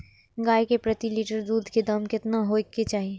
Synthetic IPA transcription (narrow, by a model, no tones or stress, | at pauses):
ɡaːjkepɾɐt̪iliːʈəɾd̪uːd̪ʱked̪ɐmkɪt̪naɦoket͡ʃaːɦie